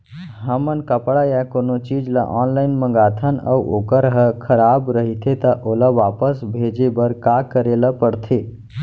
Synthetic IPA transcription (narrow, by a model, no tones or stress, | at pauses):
ɦəmənkəpɽajakonot͡ʃid͡ʒla̰ʔɔnlaɪnmə̃ŋ̆ɡat̪ʰənə̰uʔo̰kəɾɦəkʰəɾabɾəɦit̪ʰet̪əʔolaʋapəsbʱed͡ʒebəɾkakəɾeləpəɽt̪ʰe